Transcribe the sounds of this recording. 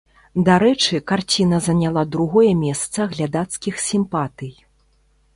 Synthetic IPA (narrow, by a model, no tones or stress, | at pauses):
d̪aɾɛt͡ʂɨkart͡sʲinɐzɐnʲalˠad̪ɾuɣɔjɛmʲɛst̪sɐɣlʲad̪at̪skʲixsʲimpat̪ɨj